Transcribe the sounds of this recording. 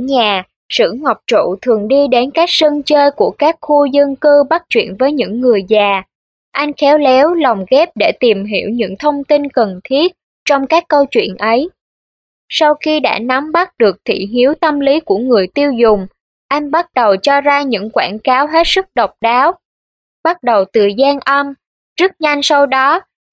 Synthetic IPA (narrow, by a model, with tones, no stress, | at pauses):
ɲaː˨˩ | sɨ̰˧˥əŋɔ˨˩wk͡p̚t͡ɕṵ˧˨t̪ʰɨ˨˩əŋɗi˧ɗe˨˦nkaː˦˥k̚sə˧ŋt͡ɕəː˧jku˧˩əkaː˦˥k̚xu˧zə˧ŋkɨ˧ɓa˦˥t̚t͡ɕwḭ˧˨ənvəː˨˦jɲɨ̰˧˥ŋːɨ˨˩əjzaː˨˩ | ʔa˧jŋ̟xɛ˨˦wlɛ˨˦wlɔ˨˩wŋ͡mɣɛ˦˥p̚ɗe˧˩t̪i˨˩mɦḭ˧˩əwɲɨ̰˧˥ŋt̪ʰə˧wŋ͡mt̪i˧nkə˨˩nt̪ʰi˦˥ət̚ | t͡ɕɔ˧wŋ͡mkaː˦˥kːə˧wt͡ɕwḭ˧˨ənʔə˨˦j | sa˧wxi˧ɗa̰ː˧˥na˨˦mɓa˦˥t̚ɗɨ˨˩ək̚t̪ʰḭ˧˨ɦi˨˦əwt̪ə˧mli˨˦ku˧˩əŋɨ˨˩əjt̪i˧əwzʊ˨˩ŋ͡m | ʔa˧jŋɓa˦˥t̚ɗə˨˩wt͡ɕɔ˧zaː˧ɲɨ̰˧˥ŋkwaː˧˩nkaː˨˦wɦe˦˥t̚sɨ˦˥k̚ɗə˨˩wk͡p̚ɗaː˨˦w | ɓa˦˥t̚ɗə˨˩wt̪ɨ˨˩zaː˧nʔə˧m | zɨ˦˥t̚ɲa˧jŋ̟sa˧wɗɔ˨˦